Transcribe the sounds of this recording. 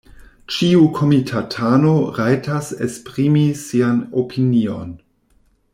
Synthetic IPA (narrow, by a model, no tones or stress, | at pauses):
t͡ʃiukʰo̞mitʰatʰanoɾajtasespʁimisianopʰinio̰n